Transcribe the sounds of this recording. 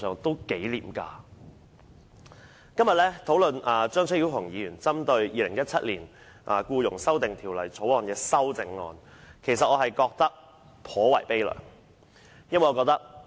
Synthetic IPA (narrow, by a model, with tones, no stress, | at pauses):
œː˨ŋt̪o˥wke˨˥jlḭː˨mka̰ː˧ | kɐ˥mjɐ˨t̚lɛː˥t̪ʰo˨˥wlɵ˨naː˨t͡ʃœː˥ŋt͡ʃʰji˨˧whʰʊ˨˩ŋjiː˨˧jyː˨˩nt͡sɐ˥mt̪ɵ˧ɥjiː˧lɪ˨˩ŋjɐ˥t̚t͡sʰɐ˥t̚liː˨˩n | ʔaː˨˩kuː˧jʊ˨˩ŋsɐ˥wt̪ɪ˨ŋt̪ʰi˨˩wlɐ˨˩jt͡sʰo˨˥wɔː˨˧nkɛː˧sɐ˥wt͡sɪ˨˧ŋːɔ̰ː˧nkʰe˨˩jsɐ˨t̚ɔː˨˧ɦɐ˨jkɔː˧k̚t̪ɐ˥k̚ | pʰɔː˨˥wɐ˨˩jpe˥jlœ̰ː˨˩ŋ | jɐ˥nwɐ˨jɔː˨˧kɔː˧k̚t̪ɐ˥k̚